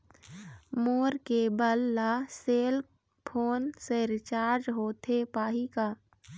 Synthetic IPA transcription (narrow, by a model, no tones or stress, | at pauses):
moːɾkebəlːaseːl | pʰoːnseɾɪt͡ʃaːɾd͡ʒɦoːt̪ʰepaːɦikaː